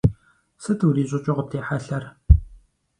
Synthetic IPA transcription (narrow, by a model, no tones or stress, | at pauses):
sɐtʰɨwriːɕʼɪt͡ʃʼɪʁʊp̚tʰeːħaɬɐr